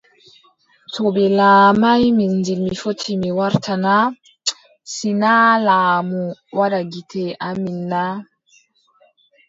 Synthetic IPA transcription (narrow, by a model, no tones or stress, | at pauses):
tʰɔbɛlaːmajmindilmifotʰːimiwaɾtʰana | sinalaːmuwaɗaɡitʰɛʔaminːa